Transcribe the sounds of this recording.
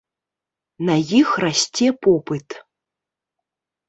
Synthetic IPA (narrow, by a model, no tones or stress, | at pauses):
najixrasʲt͡sʲɛpɔpɨt̪